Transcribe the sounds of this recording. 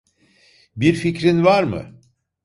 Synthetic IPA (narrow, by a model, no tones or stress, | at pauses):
biɾficɾinvaɾmɯ̰